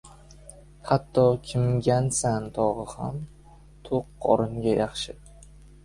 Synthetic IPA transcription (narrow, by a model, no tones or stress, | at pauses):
hat̪ʰːɒkʲʰɪmɡʲansant̪ʰɒʁɨham | t̪ʰoqːʰɒ̰ɾɪŋɡʲajaχʃɪ